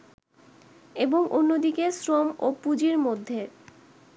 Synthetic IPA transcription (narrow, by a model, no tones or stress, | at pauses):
eboŋʔonːod̪ikesɾomopud͡ʑiɾmod̪ʱːe